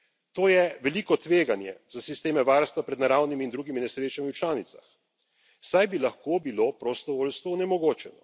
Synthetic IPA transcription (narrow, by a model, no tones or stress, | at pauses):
t̪oːjɛʋɛliːkɔt̪ʋeːɡanjɛ̰zasist̪eːmɛʋaːɾst̪ʋapɾɛd̪naɾaːwnimiːnd̪ɾuːɡiminɛsɾeːt͡ʃamiwt͡ʃlaːnit̪sax | sajbilaxkobiloːpɾɔst̪ɔʋoːlst̪ʋɔɔnɛmɔɡoːt͡ʃɛnɔ